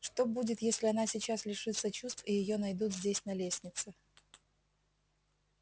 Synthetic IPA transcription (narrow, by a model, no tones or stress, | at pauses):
ʂt̪o̞budʲɪt̪jesʲlʲɪɐnasʲɪt͡ɕaslʲɪʂɨt̪sət͡ɕust̪fijɪjo̞nɐjd̪ut̪zʲdʲesʲnɐlʲesʲnʲɪt̪sɨ